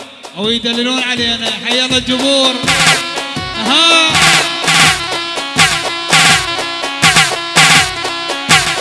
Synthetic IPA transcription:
wjd̪alːɪluːnʕaleːnaħajːalad͡ʒʊbuːɾ | ɦa

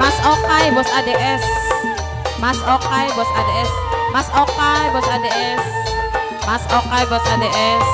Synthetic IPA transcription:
masɔkajbɔsadeʔɛs | masɔkajbɔsadeɛs | masɔkajbɔsadeɛs | masɔkajbɔsadeʔɛs

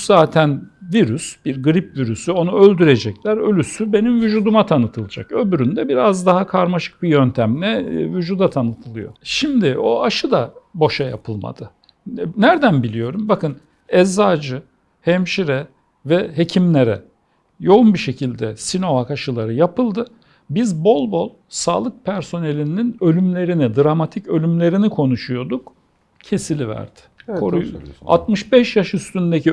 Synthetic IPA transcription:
zaːt̪ʰænviɾysb̥iɾɡɯɾipviɾysyo̞nuø̞lʲd̪yɾed͡ʒɛclʲæɾø̞lʲysybe̞nimvyd͡ʒuːd̪umat̪ʰanɯt̪ʰɯlˠɯd͡ʒakø̞byɾynd̪ɛbiɾazd̪aɦakʰaɾmaʃɯ̥k̚bijønt̪ʰæmlʲɛvyd͡ʒuːd̪at̪ʰanɯt̪ʰɯlˠɯjo̞̰ʃimd̪ɪʔo̞aʃɯd̪abo̞ʃaja̰pʰɯlˠma̰d̪̥ɯ | næɾd̪ænbilʲijo̞ɾumbakʰɯn | ɛzːaːd͡ʒɯ | hɛmʃiɾɛ | vɛɦe̞cʰimlʲeɾɛ̰ | jo̞unbiʃe̞cʰilʲd̪ɛsino̞vakaʃɯlˠaɾɯjapɯlˠd̪ɯ | bizbo̞lˠbo̞lˠsaːlˠɯk̚pʰæɾso̞ne̞lʲinninø̞lʲymlʲe̞ɾinid̪ɾamat̪ʰicø̞lʲymlʲe̞ɾinikʰo̞nuʃujo̞d̪uk | cʰe̞silʲivæ̰ɾd̪̥ɪ̥kkʰoɾua̰t̪mɯʃbɛʃjaʃyst̪ynd̪eci

